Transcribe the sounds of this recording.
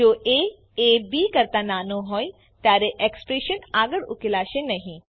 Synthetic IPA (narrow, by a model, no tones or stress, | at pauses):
oːʔeː | ebikɐɾt̪anaːnoɦɔːj | t̪jaːɾeʔekspɾeːʃənaːɡəɽʊ̰kilaːʃenɐɦĩ